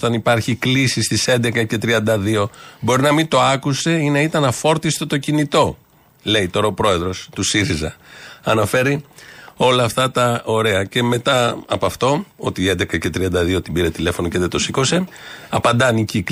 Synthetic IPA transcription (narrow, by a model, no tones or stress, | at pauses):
t̪ɐnipɐɾçiklisist̪ise̞nd̪ekɐce̞t̪ɾiɐnd̪ɐðio̞bo̞ɾinɐmit̪o̞ɐkuse̞inɐit̪ɐnɐfo̞ɾt̪ist̪et̪o̞cinit̪o̞ | le̞jt̪o̞ɾɐopɾo̞e̞ðɾo̞st̪usiɾizɐɐnɐfe̞ɾio̞lɐːft̪ɐt̪ɐo̞ɾe̞ɐce̞me̞t̪ɐɐ̰pɐft̪o̞o̞t̪iend̪ekɐce̞t̪ɾiɐnd̪ɐðio̞t̪ibiɾe̞t̪ile̞fo̞noce̞ðet̪o̞siko̞se̞ɐpɐnd̪ɐnicik